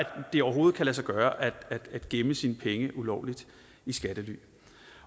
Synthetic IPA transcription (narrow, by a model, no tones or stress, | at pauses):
æ̥d̥e̝ɒʊɐɦo̝ːð̞̩ˠkʰælæsɑ̈ɪɡ̥ɶːɐʔæd̥æd̥æd̥ɡ̥eməsinəpʰeŋəʔulɒʊlid̥ | isɡ̥æd̥əly̰ː